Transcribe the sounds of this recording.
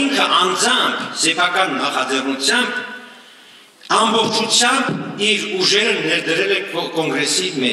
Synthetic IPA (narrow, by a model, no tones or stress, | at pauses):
iŋkʰəʔɑnd͡zɑŋkʰsɛpʰɑkɑnːɑχɑd͡zɛrnut͡sʰjɑmb | ɑmbɔχt͡ʃʰut͡sʰjɑmbiɾuʒɛɾənɛɾd̪əɾɛlɛɔkɔŋɡɾɛsimɛ